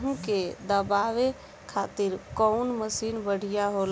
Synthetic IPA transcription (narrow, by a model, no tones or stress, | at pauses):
ɦũked̪əbaʋe | kʰat̪iɾkɔʊnməsinbəɽ̤ijaɦol